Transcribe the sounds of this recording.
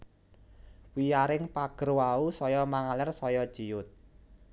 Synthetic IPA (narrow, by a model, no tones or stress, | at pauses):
wijaɾɪŋpaɡ̥ərwausɔjɔmaŋalɛrsɔjɔd̥ʒ̥ijʊt̪̚